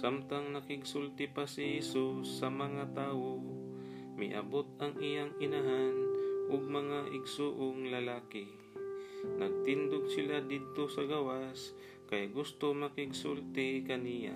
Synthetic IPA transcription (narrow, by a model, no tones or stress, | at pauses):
samt̪aŋnɐkɪɡsult̪ɪpasɪhɛsusːɐmɐŋat̪aːwo | mɪ̰ʔɐ̰bot̪̚ɐŋʔɪjaŋɪnaɦanʔʊɡ̚mɐŋaʔɪɡsuːʔoŋlɐlaːkɪ | nɐɡ̚t̪ɪnd̪ʊɡ̚sɪlad̪ɪd̪̚t̪osɐɡawas | kɐjɡʊst̪omɐkɪɡsult̪ɪkɐnija̰